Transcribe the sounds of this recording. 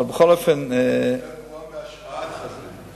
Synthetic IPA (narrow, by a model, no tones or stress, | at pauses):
bəχɔlˠəfɪn